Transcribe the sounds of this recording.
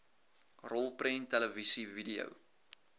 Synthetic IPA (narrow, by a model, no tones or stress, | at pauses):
rɔlˠpɾɛntɛləvisividiə̰w